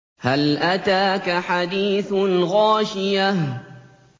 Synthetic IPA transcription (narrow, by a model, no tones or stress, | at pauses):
halʔat̪aːkaħad̪iːθɣaːʃɪja